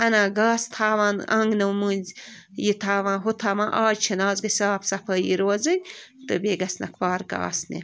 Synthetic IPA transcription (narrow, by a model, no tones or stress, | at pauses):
ɐnãːɡaːst̪ʰaːʋãːnɐ̰ŋɡnɐwmɨːnʲz | jit̪ʰaːʋãːnɦut̪ʰaːmãːʔaːd͡ʒt͡ʃʰɐnaːzɡɐsʲaːpsɐpʰəːjiɾoːzɨnʲt̪ɨbeːɡɐsnɐ̰kʰpaːɾka̰ːsnḛ